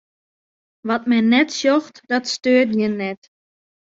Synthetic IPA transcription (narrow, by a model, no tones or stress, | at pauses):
ʋɔtmɛnːɛtsjoxtd̥ɔtstøːətjənɛt